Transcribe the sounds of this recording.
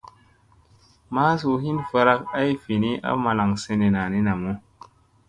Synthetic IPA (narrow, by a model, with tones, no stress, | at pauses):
ma˦s̬u˨hi˦nfa˧ɾa˦ka˦jfi˨ni˦ʔa̰˦ma˧la˨ŋse˧ne˨na˨ni˦na˨mu˦